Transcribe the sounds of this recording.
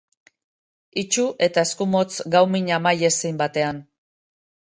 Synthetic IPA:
it͡ʃuʔe̞t̪ae̞skumo̞t͡sɡawmiɲamaje̞sejmbat̪e̞an

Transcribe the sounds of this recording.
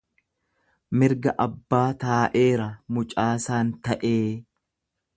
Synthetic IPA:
mɪɾɡɐʔɐbːaːt̪aːʔe̞ːɾɐmʊt͡ʃʼaːsaːnt̪ɐʔeː

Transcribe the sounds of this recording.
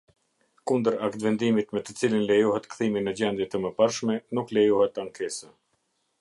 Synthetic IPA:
kund̪əɾakt̪vɛnd̪imit̪mɛt̪ət͡silinlɛjuɦɛt̪kθiminəd͡ʑɛnd̪jɛt̪əməpaɾʃmɛnuklɛjuhɛt̪aŋkʰɛsɛ

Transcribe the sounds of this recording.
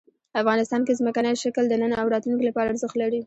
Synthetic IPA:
afɣɑnɪst̪ɑnkezməkanəjʃakld̪ənənaawɾɑt̪lunkolapɑɾaaɾzəxt̪laɽi

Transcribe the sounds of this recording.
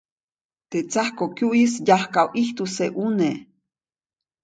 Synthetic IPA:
t̪et͡sahkokjuʔisjahkawʔiht̪useʔune

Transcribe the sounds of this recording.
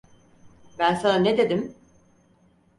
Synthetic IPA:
bænsananed̪e̞d̪im

